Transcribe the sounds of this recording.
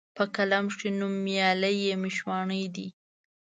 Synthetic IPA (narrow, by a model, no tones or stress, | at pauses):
pəkalamʂinumːjɑləjemɪʃwɑɳəd̪i